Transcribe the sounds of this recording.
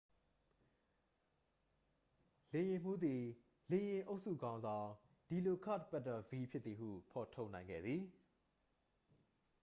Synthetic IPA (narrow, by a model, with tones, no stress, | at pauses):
lẽ˨jɪ̃˨m̥u˦d̪i˨ | lẽ˨jɪ̃˨ʔo˦ʊʔsṵ˦˨ɡã˦ʊ̃nzã˨ʊ̃ | d̥i˨lo˨kʰa̰˦˨tpɛ˦˨tːɔ˨vi˦pʰjɪ˦t̪̚t̪θi˨ɦṵ˦˨pʰɔ˨tʰo˦ʊʔnã˨ɪ̃ŋɡɛ̰˦˨d̪ði˨